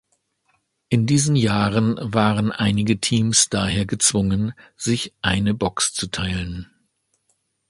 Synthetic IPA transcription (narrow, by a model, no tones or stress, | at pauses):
ʔɪndiːzn̩jaːʁənvaːʁənʔaɪnɪɡətʰiːmsd̥aːheːɐɡət͡sv̥ʊŋənz̥ɪçʔaɪnəbɔkst͡sutʰaɪlən